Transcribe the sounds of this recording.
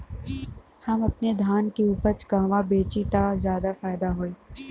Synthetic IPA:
hɐmɐpned̪ʱaːnkiuːpəɾt͡ʃɡãːʋabeːt͡ʃit̪azjaːd̪afaːɪd̪aɦoːeː

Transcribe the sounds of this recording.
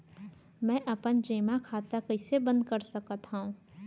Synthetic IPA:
mɛ̃ːʔɐpənd͡ʒeːmakʰaːt̪akɐɪsebə̃nd̪̚kəɾsɐkət̪ɦaũː

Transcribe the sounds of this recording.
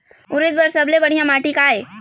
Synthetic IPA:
ʊɾɪt̪̚bəɾsɐblebɐɽ̤ijãmaːʈikaːeː

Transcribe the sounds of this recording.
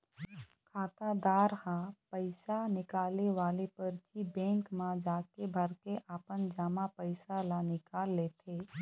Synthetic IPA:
kʰaːt̪ad̪aːɾhãpəɪsanɪkaːleʋaːlepəɾt͡ʃibɛ̃ːŋkmãd͡ʒaːkebʱəɾkeʔaːpənd͡ʒaːmapəɪsalanɪkaːlːeːt̪ʰeː

